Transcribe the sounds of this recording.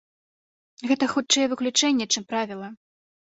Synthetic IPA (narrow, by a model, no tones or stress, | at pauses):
ɣɛt̪ɐxut̪t͡ʂɨjɛvɨklʲut͡ʂɛnʲːɛt͡ʂɨmpɾavʲilˠɐ